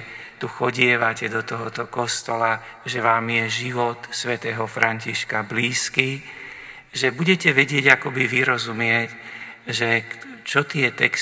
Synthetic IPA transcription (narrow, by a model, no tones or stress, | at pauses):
t̪uxɔɟɪɛʋacɛd̪ɔt̪ɔɦɔt̪ɔkɔst̪ɔla | ʒɛʋaːmjɛʒiʋɔt̪sʋɛt̪ɛːɦɔfɾʔaɲciʃkabliːski | ʒɛbuɟɛcɛʋɛɟɪɛɟakɔbiʋiɾɔzumɪɛcʒɛt͡ʃɔt̪ɪɛt̪ɛ̰k